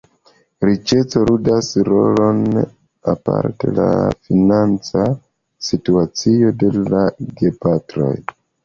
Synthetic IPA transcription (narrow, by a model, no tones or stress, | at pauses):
ɾit͡ʃe̞t͡so̞ɾudasɾo̞lo̞n | apa̰ɾte̞̰la̰finant͡sa | situat͡sijo̞de̞laɡe̞patɾo̞̰j